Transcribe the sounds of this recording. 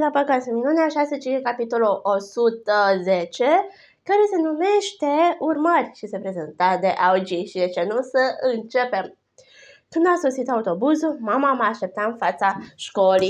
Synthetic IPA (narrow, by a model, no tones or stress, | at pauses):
lapəkat̪seminuneaʃaset͡ʃiekapit̪o̞loʔosut̪əzet͡ʃe̞ | kaɾe̞se̞nume̞ʃt̪e̞urmərʲʃise̞pɾe̞zent̪ad̪e̞ʔaud͡ʒiʃid̪et͡ʃenusəɨnt͡ʃe̞pe̞m | kunuasosit̪aut̪o̞buzulmamamaːʃt̪e̞p̚t̪aɨnfat̪saʃko̞lij